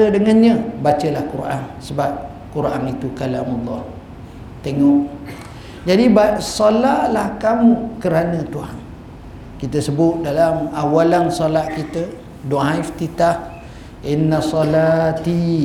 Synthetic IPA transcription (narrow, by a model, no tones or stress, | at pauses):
ədəŋanɲə̃bat͡ʃəlahkuɾʔa̰nsəbap̚ | kuɾʔanit̪ukalamalˤːɑh | t̪eŋɔʔ | d͡ʒadibasɔlahlahkamukəɾanə̃t̪uɦan | kit̪əsəbʊt̪̚dalamawalansɔlahkit̪ə | doɦãift̪it̪ak̚ | ʔinːasɔlat̪i